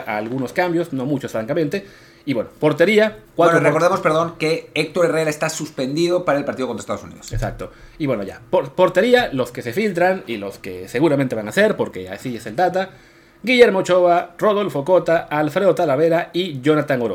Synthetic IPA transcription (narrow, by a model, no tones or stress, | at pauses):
ʔa̰ːlɣuno̞skambjo̞sno̞mut͡ʃo̞sfɾaŋkament̪e̞ | iβwe̞nopo̞ɾt̪e̞ɾiakwaɾorekoɾðemospeɾðo̞ŋke̞ek̚t̪oɾere̞ɾaest̪asuspe̞nd̪iðo̞paɾaelpaɾt̪iðokonɾest̪aðosunḭðosesa̰k̚t̪o | iβwe̞noʝa̰poɾpo̞ɾt̪e̞ɾialo̞ske̞se̞filt̪ɾaŋilo̞skḛse̞ɣuɾamẽnt̪e̞βaŋase̞ɾpo̞ɾke̞̰a̰siese̞ld̪at̪̬a | ɡiʝe̞ɾmot͡ʃo̞βaro̞ð̞o̞lfo̞ko̞t̪aalfɾe̞ðot̪alaβe̞ɾaiʝonat̪aŋoɾo